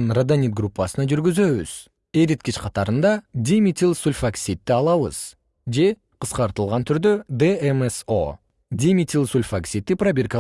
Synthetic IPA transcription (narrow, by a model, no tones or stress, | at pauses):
nrad̪anʲit̪̚ɡrupːɑsənɑʒʏɾɡʲɪzøwɪz̥ | eɾʲit̪̚kʲiʃqʰɑt̪ɑɾənd̪ɑd̪ʲimʲit̪ʲilˠsulʲfaksʲit̪ːɪɑlˠɑʋə̰z̥ | ʒe̞ | qʰəsqɑɾt̪əlˠʁɑnt̪ʰʏɾd̪ød̪eemeso̰ | d̪ʲimʲit̪ʲilˠsulʲfaksʲit̪ːɪprabʲerkɑ